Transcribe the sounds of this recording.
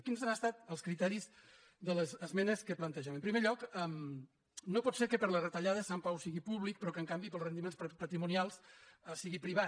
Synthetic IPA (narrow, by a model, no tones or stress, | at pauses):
kinzanəst̪at̪əlˠskɾit̪ɛɾiz | ðələzəzmɛnəskəplənt̪əʒɛməmpɾimeʎɔkəm | nopɔt̪seɾkəpəɾlərət̪əʎaðəsampawsiɣipuβlik̚pɾɔkəŋkambipəlˠrənd̪imenspət̪ɾimunialˠsəsiɣipɾiβa